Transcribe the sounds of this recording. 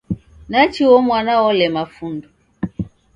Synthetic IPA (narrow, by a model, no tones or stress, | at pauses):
nat͡ʃiwɔmwanawɔlɛmafundu